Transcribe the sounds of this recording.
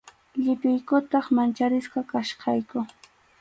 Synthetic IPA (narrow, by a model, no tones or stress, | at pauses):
ʎɪp̪ɪjkʊt̪ɑχmant͡ʃaɾɪsqɑkaʃqɑjkʊ